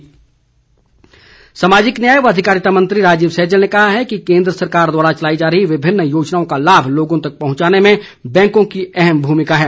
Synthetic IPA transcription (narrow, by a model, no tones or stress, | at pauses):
samaːd͡ʒɪknjaːjəʋɐd̪ʱɪkaːɾɪt̪amɐ̃nt̪ɾiɾaːd͡ʒiːbsɛːd͡ʒəlnekɐɦaɦɛkikẽːnd̪ɾəsɐɾkaːɾd̪waːɾat͡ʃɐlaːid͡ʒaːɾəɦiʋɪbʱɪnːjoːd͡ʒnaːõkalaːbʱloːɡõt̪ɐk̚pɐɦʊ̃t͡ʃaːnemẽ | bɛ̃ːŋkõkiɛɦɛmbʱuːmɪkaɦɛː